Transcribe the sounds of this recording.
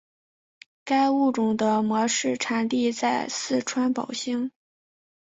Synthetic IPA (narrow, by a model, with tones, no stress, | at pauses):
ka˥ɪu˥˩ʈ͡ʂʊ˨˩ŋd̪ə˦mwɔ˧˥ʂɻ̩˥˩ʈ͡ʂʰa˧˥nt̪i˥˧t͡sa˥˧ɪsɹ̩˥˩ʈ͡ʂʰwa˥npɑ˨˩ʊɕi˥ŋ